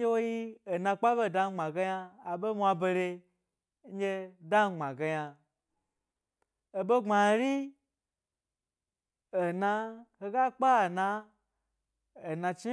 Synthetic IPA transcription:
e˦wo˦ji˦e˨nã˧k͡pa˦be˦˨da˧˦ɡ͡bã˨ɡe˧ja˧a˨be˦mʷ˦a˧be˧ɾe˧ | ɲ̩˦ɡe˧da˦˨ŋ͡ma˨ɡe˧ja˧ | o˨be˦ŋ͡ma˨˦ɾi˦ | o˨nã˧he˧ɡa˦k͡pa˦˨na˧ | o˨nã˧t͡ʃi˦

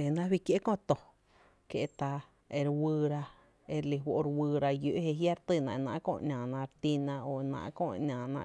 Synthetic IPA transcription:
e˨nã˦wi˦kje˦kõ˦˧t̪o˨ | kje˧ʔt̪a˧ | e˧ɾwɨː˧ɾa˧ | e˧ɾli˧ɦwo˧ʔɾwɨː˧ɾa˧jo˧˨ʔhe˧ɦja˦ɾt̪ɨ˧˨nã̰˧˨˧nã̰˧˨ʔkõ̰ː˧˨ʔɲʲãː˨nã˧ɾt̪i˦˧nã˧o˨˧nã̰ː˧ʔkõ̰ː˧˨ʔɲʲãː˨nã̰˧˨

